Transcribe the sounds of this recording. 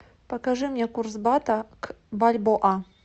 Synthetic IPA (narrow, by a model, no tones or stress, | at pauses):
pɐkaʐɨmɲʲɛkursbat̪ɐkbalʲbɔʔa